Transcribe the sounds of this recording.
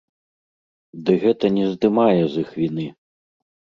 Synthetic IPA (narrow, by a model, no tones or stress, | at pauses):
d̪ɨɣɛt̪ɐnʲɛzd̪ɨmajɛzɨxvʲinɨ